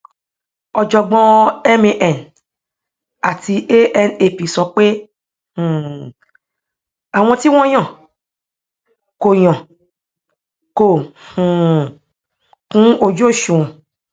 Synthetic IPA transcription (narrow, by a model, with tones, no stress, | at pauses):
ɔ˧d͡ʒɔ˧ɡ͡bɔ̃˦ɛ˦me˧ʔɛ˨n | a˨ti˧e˦ɛ˧ne˨pi˨sɔ˨˦k͡pe˦ | hũ˨ | a˨w̃ɔ̃˧ti˦w̃ɔ̃˦j̃ɔ̃˦˨ | ko˨jɔ̃˨ | ko˨hũ˨ | kũ˦o˧d͡ʒo˦˨ʃũ˨